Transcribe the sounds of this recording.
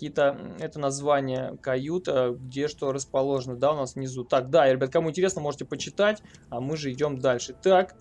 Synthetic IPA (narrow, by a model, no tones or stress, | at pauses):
kʲijt̪əɛt̪ənɐzvanʲɪjəkɐjut̪əɡdʲeʂt̪oɾəspɐlˠo̞ʐɨnəd̪aʊnasvnʲɪzut̪ak̚d̪ajaɾʲɪbʲat̪̚kɐmuɪnʲtʲɪɾʲesnəmo̞ʐɨtʲɪpət͡ɕɪt̪atʲamɨʐɨɪdʲo̞md̪alʲʂɨt̪ak